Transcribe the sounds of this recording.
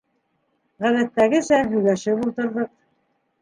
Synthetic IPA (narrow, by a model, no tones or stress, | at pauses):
ʁæðæt̪ːæɡɘsæɦɵ̆jlæʃɘβulˠt̪ɤ̆ɾðɤq